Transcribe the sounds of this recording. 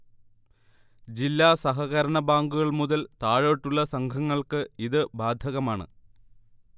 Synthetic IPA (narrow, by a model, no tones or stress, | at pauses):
d͡ʑilːaːsɐɦɐɣɐɾɐɳɐbaːŋɡuɣɐɭmuðɐlt̪aːɻoːʈːuɭːɐsɐŋkʰɐŋːɐɭkɨiðɨbaːd̪ʱɐɣɐmaːɳɨ̰